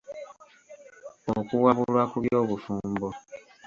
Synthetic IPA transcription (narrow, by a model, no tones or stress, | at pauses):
okuwabuɾakuiɔbufũm̩bɔ